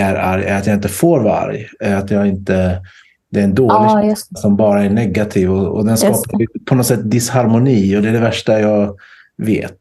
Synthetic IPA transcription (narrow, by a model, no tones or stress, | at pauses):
æɾa̰ɾjæɾat̪jɑːɪnt̪əfoːɾva̰ɾjɛɾat̪jɑːɪnt̪ə | d̪ɛːɾɛnd̪oːllɪɡsɔmbɑːɾaɛɳɛɡːat̪ʰiːvɔɔ̰d̪ɛnskɑːppʰɔnɔt̪sɛt̪ːd̪ɪshaɾmʊniːɔd̪ɛːɖɛvæʂʈajɑːɡ | vḛːt̪